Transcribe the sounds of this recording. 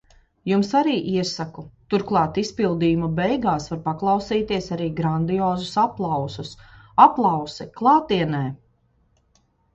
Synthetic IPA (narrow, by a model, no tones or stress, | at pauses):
jumsaɾiːʔiɛsakut̪uɾklˠɑːt̪ispilˠd̪iːumabɛjɡaːsvaɾpaklˠɑwsiːt̪iɛsaɾiːɡɾand̪ijoːzusaplˠɑwsusaplˠɑwsɛklˠɑːt̪iɛnɛː